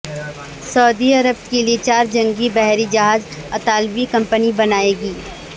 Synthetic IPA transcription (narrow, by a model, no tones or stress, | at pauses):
sɐːd̪iɐɾəb̚keliet͡ʃaːɾd͡ʒɐ̃ŋɡibɛɦɾid͡ʒɐɦaːzɐt̪aːlbikɐ̃mpənibɐnaːeːɡiː